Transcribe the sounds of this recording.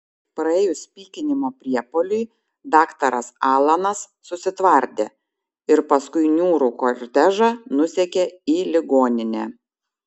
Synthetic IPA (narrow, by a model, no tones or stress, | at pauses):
pɾɐɛːjʊsʲpʲiːkʲɪnʲɪmoːpʲɾʲiɛpolʲʊɪ | d̪ɑːkt̪ɐɾɐsɑːlˠɐnɐsːʊsʲɪt̪ʋɐɾʲd̪ʲḛː | ɪɾpɐskʊɪnʲuːɾuːkoɾʲt̪ʲæʒɑnʊsʲɛkʲeiːlʲɪɡoːnʲɪnʲɛː